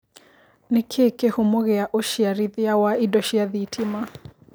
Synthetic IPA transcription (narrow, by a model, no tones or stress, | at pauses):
nɪkʰekehomoɣeaʔoʃiaɾiðeawaidɔʃiaðitʰima